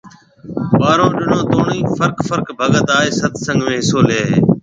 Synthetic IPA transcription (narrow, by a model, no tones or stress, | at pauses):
ɓaːɾõːɗɪnõːt̪oːɳiːfəɾkfəɾkbʱəɠət̪aːeːsət̪ʰsə̃ŋɡʱmẽːɦɪsoːleːɦeː